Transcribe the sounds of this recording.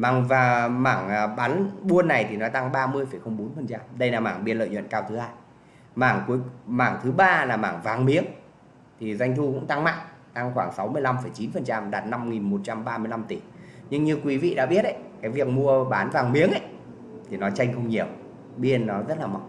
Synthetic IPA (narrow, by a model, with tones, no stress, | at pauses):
maː˨˩ŋvaː˨˩maː˧˩ŋː˨˩ɓa˨˦nɓu˧ənːa˨˩jt̪ʰi˨˩nɔ˨˦t̪a˧ŋɓaː˧mɨ˧əjfə˧˩jxə˧wŋ͡mɓo˨˦nfə˨˩nt͡ɕa˧mɗə˧jlaː˨˩maː˧˩ŋɓi˧ənlə̰ː˧˨ɲwə̰˧˨nkaː˧wt̪ʰɨ˨˦haː˧j | maː˧˩ŋku˨˦jmaː˧˩ŋt̪ʰɨ˨˦ɓaː˧laː˨˩maː˧˩ŋvaː˨˩ŋmi˨˦əŋ | t̪ʰi˨˩za˧jŋ̟t̪ʰu˧kʊ̰˧˥ŋ͡mt̪a˧ŋma̰˧˨ŋt̪a˧ŋxwaː˧˩ŋsa˨˦wmɨ˧əjla˧mfə˧˩jt͡ɕi˨˦nfə˨˩nt͡ɕa˧mɗaː˨˩t̚na˧mŋi˨˩nmo˨˩t̚t͡ɕa˧mɓaː˧mɨ˧əjla˧mt̪i˧˩ɲɨ˧ŋɲɨ˧kwi˨˦vḭ˧˨ɗa̰ː˧˥ɓi˦˥ət̚ʔə̰˧˦jkaː˨˦jvi˨˩ək̚mu˧əɓaː˨˦nvaː˨˩ŋɓi˨˦əŋʔə˧˦j | t̪ʰi˨˩nɔ˨˦t͡ɕa˧jŋ̟xə˧wŋ͡mɲi˨˩əw | ɓi˧ənːɔ˨˦zə˦˥t̚laː˨˩ma̰˨˩w